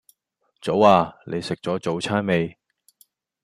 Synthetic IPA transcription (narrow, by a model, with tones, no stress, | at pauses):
t͡so˨˧˥waː˨˧nʔe˨˧jsɪ˨k̚t͡sɔː˨˥t͡so˨˧wt͡sʰaː˥nme˨˧j